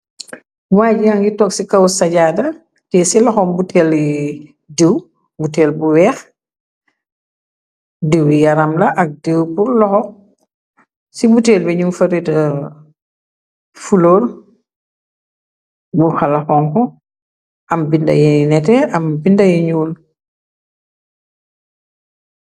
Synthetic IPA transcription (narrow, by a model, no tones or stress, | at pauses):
waːɟijaŋɡitɔksikɐwsɐɟadɐ | tɛsilɔxɔmbutʰɛli | dew | butɛːlbuwɛːx | dewjɐɾɐmlɐʔɐk̚dewpuɾlɔxɔ | sibuteːlbɛɲumfɐɾitɐ | fuloːɾ | buxalaxɔŋkɔ | ʔɐmbindɐ̰jinɛtɛɐmbindɐjiɲuːl